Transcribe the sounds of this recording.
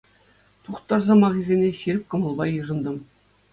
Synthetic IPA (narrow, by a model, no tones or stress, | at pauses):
t̪uχt̪ɑrzɑmɑʁizʲenʲeɕiɾʲɘ̆p̚ʲkɤ̆mɤ̆lˠbɑjɯʐɤ̆nd̪ɤ̆m